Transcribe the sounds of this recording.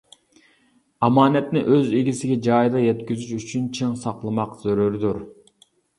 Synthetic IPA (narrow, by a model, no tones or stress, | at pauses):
ɑmɑːnɛt̪nɪʔøzeɡʲisɪɡʲɛd͡ʒɑːjd̪ɑjɛt̪kʲyzyʃyt͡ʃʰynt͡ʃʰiŋsɑqlˠɨmɑqz̥øɾøɾd̪uɾ